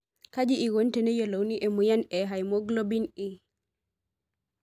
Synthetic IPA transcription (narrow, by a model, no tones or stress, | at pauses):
kad͡ʒiʔiɡontɛnɛjɔlowniʔɛmujanɛɦajmoɡlobini